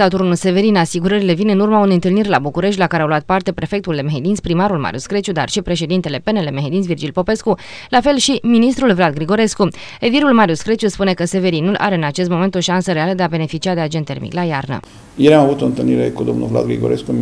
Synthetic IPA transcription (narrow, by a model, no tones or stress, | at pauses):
at̪oɾunulse̞ve̞ɾinasiɡuɾəɾile̞vinɨnurmauneɨnt̪ɨlnirʲlabukuɾe̞ʃ̬t̪ʲlakaɾeawluat̪̚part̪e̞pɾe̞fe̞k̚t̪uld̪e̞meɦed̪inspɾimaɾulma̰ɾʲjṵskɾet͡ʃud̪a̰rʃipɾe̞ʃ̬e̞d̪int̪e̞le̞pe̞nele̞meɦed̪insvird͡ʒilʲpo̞pe̞skulafe̞lʃiminist̪ɾulvlad̪̚ɡɾiɡo̞ɾe̞sku | e̞viɾulmaɾjuskɾet͡ʃjuspune̞kəse̞ve̞ɾinulʔa̰ɾe̞ɨnat͡ʃest̪mo̞me̞nt̪o̞ʃansəɾealəd̪e̞abe̞ne̞fit͡ʃiad̪e̞ad͡ʒe̞nt̪ːe̞rmḭklajarnə̰ | jelamavut̪o̞ɨnt̪ɨlniɾḛkud̪o̞mnulvla̰d̪ɡɾḭɡoɾʔeskum